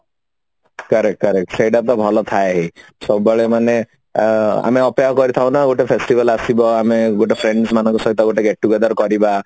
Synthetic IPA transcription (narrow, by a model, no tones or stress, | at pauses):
kaɾekkəɾek̚ʈsejʈap̚t̪ɔbʱɔlɔt̪ʰaeɦe | sɔbɔbɔɭemane | a̰meɔpeaɦkɔɾit̪ʰaw̃naɡoʈepʰesʈibalasibɔameɡoʈepʰɾeɳɖsmanɔ̃ŋkɔsɔɦit̪ɔɡoʈeɡeʈʈːuɡed̪aɾkɔɾiba